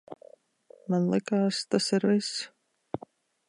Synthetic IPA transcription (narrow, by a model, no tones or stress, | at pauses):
manlˠɪkaːst̪asɪɾvis